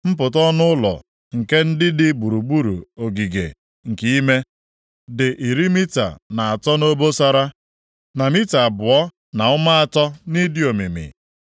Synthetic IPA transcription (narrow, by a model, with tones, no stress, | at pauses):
m̩˦p̬ʊ˨tɔ˦nʊ˦ʊ˦lɔ̰˨ | ŋ̩˨ke˦n̩˦dɪ˦dɪ˦bu˨ɾu˨ɡ͡bu˦ɾṵ˨o˨ɡi˨ɡḛ˨ | ŋ̩˨ki˦i˦me˦ | dɪ˨ʔi˨ɾi˦mi˦ta̰˨na˨a˨tɔ˦no˦bo˦sa˦ɾa˦ | na˨mi˦ta˨bʊ˨ɔ˦ | na˨ʊ˦ma˦a˨tɔ˦ni˦di˦o˨mi˨mḭ˨